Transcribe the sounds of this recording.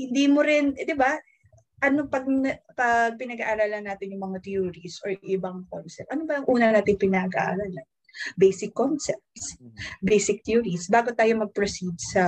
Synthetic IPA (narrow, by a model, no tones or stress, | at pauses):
hɪnd̪iːmoɾɪnd̪ɪba | ʔɐnopɐɡ̚npɐɡ̚pɪnɐɡaʔaɾaːlanːaːt̪ɪnjʊŋmɐŋat̪juːɹisʔoɹʔɪbɐŋkonsɛp̚t̪ʔɐnobɐɐŋʔuːnɐnaːt̪ɪŋpɪnɐɡɐ̰ʔa̰ɾaːlɐn | bejsɪkːonsɛp̚t̪sbejsɪk̚t̪juːɾisbaːɡo̞t̪aːjo̞mɐɡ̚pɾosid̪̚sɐ